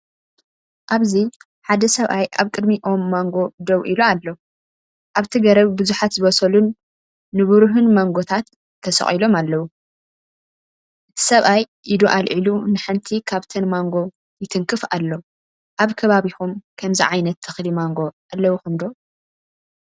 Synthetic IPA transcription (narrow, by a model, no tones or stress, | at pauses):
ʔaβzi | ħad̪ɐsɐβʔajʔa̰βkʼɨd̪miʔo̞mːaŋɡo̞d̪ɐwʔiloalːɐ | ʔaβt̪ʰiɡɐɾɐβbɨzuħat̪zɨβɐsɐlunː | ɨβɨɾuɦɨnmaŋɡo̞t̪ʰat̪ | t̪ʰɐsɐ̰χʼilo̞malːɐwu | ʔɨt̪ʰi̥sɐβʔaj | ʔid̪uʔalʕilunɨħɨnt̪ʰikʰaβt̪ʰɐnmaŋɡo̞ | jɪt̪ʰɨŋkʰɨfa̰lːɐwu | ʔaβkʰɐβaβixumkʰɐmziʕajnɐt̪ʰːɨxlimaŋɡo̞ | alːɐwuxɨnd̪ow